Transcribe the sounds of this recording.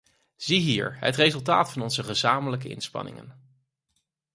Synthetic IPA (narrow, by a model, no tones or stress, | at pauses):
z̥iɦiːɹɦə̰trezɵlˠt̬aːtfɑnɔnzəχəzaːmələk̬əʔɪ̰nspɑ̰nɪ̰ŋə̰n